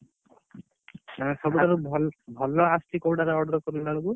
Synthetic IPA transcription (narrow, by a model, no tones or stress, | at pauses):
ãsɔbuaɾubʱɔlbʱɔlːɔast̪ikowɖaɾaɔɽɾɔkɔɾulalɔku